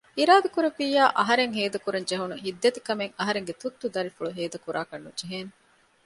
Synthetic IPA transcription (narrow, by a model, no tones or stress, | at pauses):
iɾaːd̪ɐkuɾɐfiːjaːʔɐɦɐɾeŋɦeːd̪ɐkuɾɐnd͡ʒeɦunuɦid̪ːet̪ikɐmeŋɐɦɐɾeŋɡet̪ut̪ːud̪ɐɾifuɭuɦeːd̪ɐkuɾʔaːkɐnːud͡ʒeɦeːn